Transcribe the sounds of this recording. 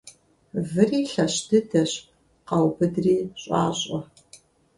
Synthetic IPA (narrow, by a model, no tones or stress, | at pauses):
vɨriːɬɐɕdɨdɐɕ | qɑwbɨdriːɕʼɑːɕʼɐ